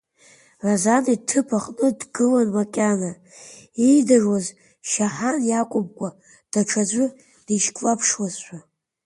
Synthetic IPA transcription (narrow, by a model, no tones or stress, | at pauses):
razanitʰɨpʰaχʼnɨdɡɨlanmakʲʼana | ejdaʐwaz | ʃaħanjakʷʼʊmkʷʼa | d̥aʈ͡ʂʰad͡ʒʷʼʊ | d̥iʃkʼwapʰʂwazħʷᶣa